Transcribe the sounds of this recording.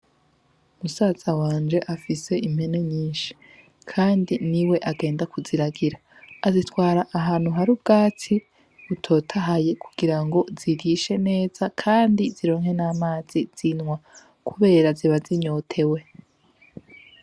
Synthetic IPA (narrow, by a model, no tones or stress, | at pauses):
umusaːz̥awaːnd͡ʒe̞ʔafise̞ʔimhe̞ne̞ɲiːnʃi̥ | kʰaːndiniwe̞ʔaɡe̞ːndakuziɾaɡiɾaː | zitwaːɾaʔaɦaːn̥uɦaɾubɡaːt͡sʰi | βutʰo̞ːtʰaɦaje̞ku̥ɡ̥iɾaŋɡo̞ziɡiʃe̞ne̞ːz̥akʰaːndiziɾo̞ːŋhe̞naːmaːz̥iz̥inŋwa | kʰuβe̞ːɾaziβaziɲo̞tʰe̞we̞